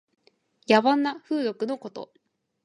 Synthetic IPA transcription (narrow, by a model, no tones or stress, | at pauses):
jaβanːaɸɯ̟ːd̪o̞kɯ̟no̞ko̞t̪o̞̰